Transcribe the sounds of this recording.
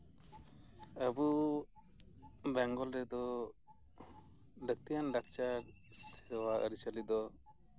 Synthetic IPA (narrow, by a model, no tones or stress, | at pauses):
əbu | bɛŋɡɔlɾɛd̪ɔ | ɖək̚t̪ijanɖak̚t͡ʃak | sɛɾɔwaʔə̰ɾit͡ʃəlid̪ɔ